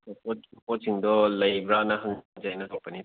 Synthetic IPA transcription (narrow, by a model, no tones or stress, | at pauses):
pɔpɔtsiŋdɔlɐjbɾanɐɦɐŋd͡ʒajnɐok̚pɐni